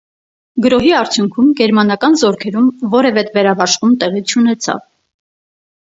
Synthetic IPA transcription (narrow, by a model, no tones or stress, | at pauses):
ɡəɾɔɦiɑɾt͡sʰjuŋkʰumɡɛɾmɑnɑkɑnzɔɾkʰɛɾumvɔɾɛvɛt̪vɛɾɑvɑʃχumt̪ɛʁit͡ʃʰun̪ɛt͡sʰɑ̰v